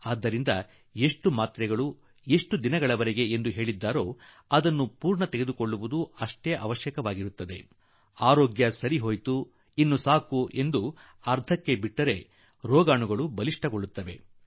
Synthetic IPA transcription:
aːd̪ːɐɾind̪ɐ | e̞ʂʈumaːt̪ɾɛɡɐɭu | e̞ʂʈud̪inɐɡɐɭɐʋɐɾeɡe̞end̪uɦe̞ːɭid̪ːaːɾo̞ː | ɐd̪ɐnːupuːɾɳɐt̪eɡed̪uko̞ɭːuʋud̪uɐʂʈɛjɐʔɐ̰ʋɐʃjɐkɐʋaːɡiɾut̪ːɐd̪e̞̰ | aːɾoːɡjɐsɐɾiɦo̞ːjt̪u | inːusaːkuʔe̞nd̪u | ɐɾd̪ʱɐkːe̞biʈːɐɾe̞ | ɾɔːɡaːɳuɡɐɭubɐliʂʈɐɡoɭːut̪ːɐʋe̞̰

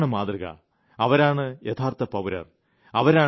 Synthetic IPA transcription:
ɳɨmaːd̪rɨɣɐ̰ | ɐʋɐɾaːɳɨjɐt̪ʰaːrt̪ɐpɐʋuɾɐ̰r | ɐʋɐɾaː

